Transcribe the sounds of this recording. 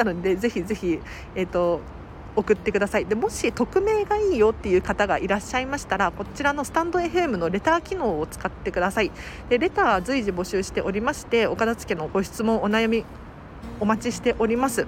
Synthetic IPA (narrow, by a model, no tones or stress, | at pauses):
nod̪e̞ze̞çize̞çi | et̪ːo̞ | okɯ̟t̪ːe̞kɯd̪asaid̪emo̞ɕit̪o̞kɯ̟me̞ːɡaiːjo̞t̪ːe̞jɯ̟ːkat̪aɡaʔiɾaɕːaimaɕi̥t̪aɾako̞t͡ɕiɾano̞sɨ̥t̪ãnd̪o̞e̞ɸɯ̟e̞mɯ̟no̞ɾe̞t̪aːkʲino̞ːt͡sɨ̥kat̪ːe̞kɯ̟d̪asai | d̪̥e̞ɾe̞t̪aːβazɨiʑibo̞ɕɨːɕi̥t̪e̞ʔo̞ɾʲimaɕi̥t̪e̞o̞kad̪at͡sɨ̥kʲe̞no̞ɡo̞ɕi̥t͡sɨmõ̞ɰ̃o̞najamʲi | o̞mat͡ɕiɕi̥t̪e̞ʔo̞ɾʲimasɨ